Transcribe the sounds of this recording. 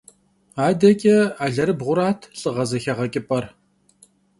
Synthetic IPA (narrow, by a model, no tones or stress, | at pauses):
aːdɐkʼɛaːɮɐɾɨbʁʷʊɾaːtʰɬʼɨʁɐzɐxɐʁɐkʼɪpʼɐr